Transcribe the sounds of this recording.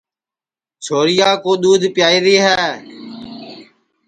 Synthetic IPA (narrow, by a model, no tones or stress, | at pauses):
t͡ʃʰoːɾɪjaːkoːɗ̪uːd̪ʱpjaːiːɾiːɦɛː